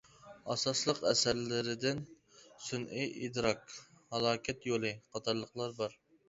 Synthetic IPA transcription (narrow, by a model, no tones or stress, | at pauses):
ɑsɑslˠəqɛsæɾlɪɾɪd̪ɪn | sunʔijʔid̪ɾɑk | hɑlˠɑːkʲʰɛt̪jolˠɨqʰɑt̪ʰɑɾlˠəqlˠɑɾbɑɾ